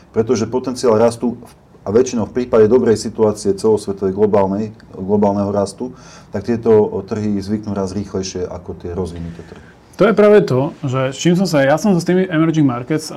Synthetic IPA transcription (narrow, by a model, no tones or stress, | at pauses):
pɾɛt̪ɔʒɛpɔt̪ɛnt͡siaːlɾast̪u | aʋɛt͡ʃinɔʊfpɾiːpaɟɛd̪ɔbɾɛjsit̪uaːt͡siɛt͡sɛlɔsʋɛt̪ɔʋɛjɡlɔbaːlnɛj | ɡlɔbaːlnɛɦɔɾast̪u | t̪ak̚t̪ɪɛt̪ɔt̪r̩ɦizʋiknuːɾazɾiːxlɛjʃɪɛʔa̰kɔt̪ɪɛɾɔzʋinut̪ɛt̪r̩ɦi | t̪ɔjɛpɾaːʋɛt̪ɔʒɛst͡ʃiːms̬ɔ̃ms̬ajasɔmzst̪iːmiʔɛmɛɾd͡ʒiŋɡmaɾkɛt̪s